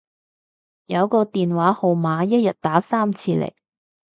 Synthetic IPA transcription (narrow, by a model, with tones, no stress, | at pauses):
jɐ˨˧wkɔː˧t̪iː˨nwaː˨˥ho˨wmaː˨˧jɐ˥t̚jɐ˨˩t̚t̪aː˨˥saː˥mt͡sʰiː˧lɛ̰˨˩j